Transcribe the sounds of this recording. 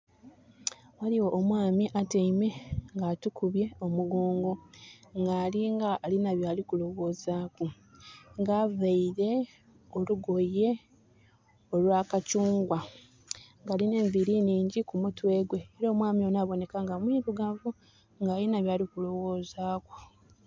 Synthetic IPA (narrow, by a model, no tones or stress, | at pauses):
waliwo̞ʔːmwaːmiʔateime̞ŋɡatukuβje̞o̞muɡoːŋɡo̞ŋɡaːliŋɡaːlinaβjaːlikulo̞wo̞zaːku | ŋɡavaiɾe̞ | o̞luɡo̞je̞ | o̞lwaːkacuːŋɡwa | ŋɡaːline̞ːɱviɾiniːɲɟikumutwe̞ːɡwe̞ːɾo̞ːmwaːmio̞naβo̞ne̞kaŋɡamwiːɾuɡaːvu | ŋɡaːlinaβjaːlikulo̞wo̞ːzaːko̥